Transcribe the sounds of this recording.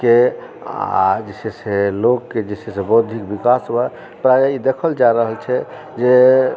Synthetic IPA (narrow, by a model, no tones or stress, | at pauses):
kea̰d͡ʒiseselokːed͡ʒisesebod̪ʱikbikasbɛ | pɾajeid̪ekʰəld͡ʒaɾəɦəlt͡ʃʰɛ | d͡ʒe